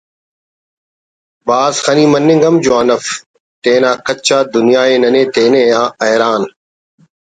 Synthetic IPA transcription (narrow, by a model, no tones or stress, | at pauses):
baːzxəniːmənːɪ̃ŋɡəmd͡ʑoanəf | t̪eːnãːkət͡ʃaːd̪ʊnɪjaːeːnɐnẽːt̪eːnẽːjãːɐɦɾaːn